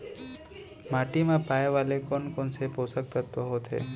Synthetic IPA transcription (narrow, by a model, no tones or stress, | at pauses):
maʈimãpajʋalekɔnkɔnseposək̚t̪ʰat̪ɔɦot̪ʰḛ